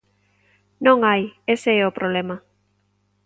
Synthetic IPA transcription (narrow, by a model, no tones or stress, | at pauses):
nõŋajeseɛopɾʔoβlema